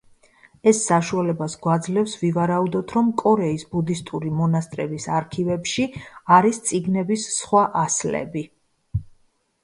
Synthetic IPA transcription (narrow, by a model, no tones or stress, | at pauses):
ɛsːaʃualɛbasɡwad̪zlɛfsvivaɾaud̪ɔt̪ʰɾɔmkʼɔɾɛisbud̪ist̪ʼuɾimɔnast̪ʼɾɛbisaɾkʰivɛpʃiaɾist̪sʼiɡnɛbisːχwaʔaslɛ̰bi